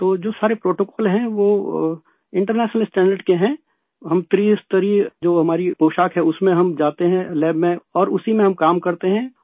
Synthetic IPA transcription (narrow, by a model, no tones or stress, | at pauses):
t̪oːd͡ʒoːsaːɾepɾoːʈoːkɔːlɦɛ̃ʋoː | ɪ̃ɳʈəɾnɛːʃnəlsʈɛ̃ːɳɖəɾɖkeɦɛ̃ | ɦɐmt̪ɾiːst̪əɾid͡ʒoːɦɐmaːɾipoːʃaːkɦɛʊsmẽɦɐmd͡ʒaːt̪eɦɛ̃lɛːbmẽɔːɾʊsimẽɦɐmkaːmkɐɾt̪eɦɛ̃